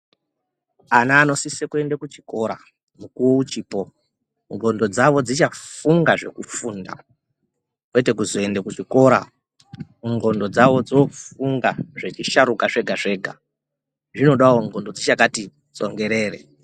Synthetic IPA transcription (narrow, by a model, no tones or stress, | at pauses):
anaːno̞sisekue̞ndakut͡ʃi̥ko̞ɾa | mukuwout͡ʃiːpo̞ | ŋɡo̞ndo̞d͡zaʋo̞d͡zit͡ʃafuŋɡaʐe̞̰kufuːnda̰ | kwe̞te̞kuzoe̞ndekut͡ʃiko̞ɾa | ŋɡo̞ndo̞d͡zaʋo̞d͡zofuŋɡaʐet͡ʃiʃaɾukaʐe̞ɡʱaʐe̞ːɡʱa̰ | ʐino̞ɗaoŋɡo̞ndo̞d͡zit͡ʃakati | t͡so̞̰ŋɡe̞ɾe̞ːrḛ